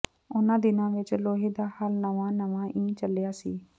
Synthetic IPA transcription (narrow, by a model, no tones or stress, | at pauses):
ʊnãːd̪ɪnãːʋɪt͡ʃloːɦeːd̪aːhaːlnəʋãːnəʋãːʔĩːt͡ʃəlːejaːsiː